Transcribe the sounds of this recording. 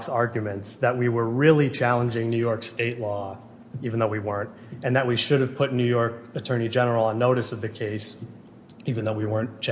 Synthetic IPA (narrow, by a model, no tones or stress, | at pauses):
ksɑɹɡjɨmɨ̃ntsðɨt̚wiwə˞ɹɪlˠit͡ʃʰælˠə̃nd͡ʒɪ̃ŋnʉjɔɹksteɪtˡlɔ | iṽn̩ðoʊwiwɜ̃˞nt | ɨ̃nðɨt̚wiʃʊɾɨv̥pʰʊtⁿnʉjɔɹkɨtʰɜ̃˞nid͡ʒɛnə˞l̩ˠə̃nːoʊɾɨsʌvðɨkʰeɪs | ivɨ̃nðoʊwiwɜ̃˞nt͡ʃ